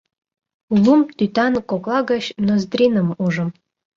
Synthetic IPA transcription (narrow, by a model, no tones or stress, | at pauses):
ulumt̪yt̪ɑnkoklˠɑɡɑɕnozd̪rʲinə̆muʒə̆m